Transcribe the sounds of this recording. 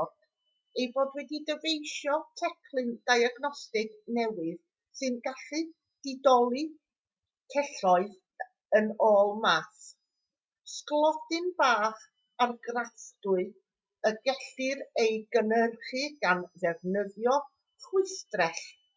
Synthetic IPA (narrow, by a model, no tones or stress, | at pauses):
d | ejboːdwɛdidəvejʃjɔtʰɛkʰlˠɨnd̥ajaɡnɔstɪɡnɛwɨð | sɨnɡaɬɨ | d̥ɪdɔlˠi | tʰɛɬɔɨð | ənoːlˠmas | sklˠɔdɨnb̥aːχ | arɡrastʊɨ | əɡɛɬɨɾejɡənərχɨɡanðɛvnəðjɔ | χʊɨstrɛɬ